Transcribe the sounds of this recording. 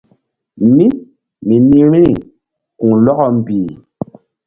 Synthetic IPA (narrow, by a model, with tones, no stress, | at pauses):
mi˦ | mi˨ni˦ɾĩ˦ | kũ˨lɔ˦kɔ˦m̩˨biː˨